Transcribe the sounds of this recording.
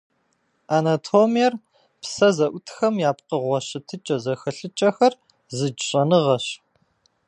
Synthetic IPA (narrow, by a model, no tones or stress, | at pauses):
ʔanɐtʰoːmijɛr | psɐzɐʔʷʊtʰxɐmjaːpqəʁʷɔɕɪtʰɨt͡ʃʼɐzɐxɐɬɨt͡ʃʼɐxɐr | zɨd͡ʒɕʼɐnɨʁɐɕ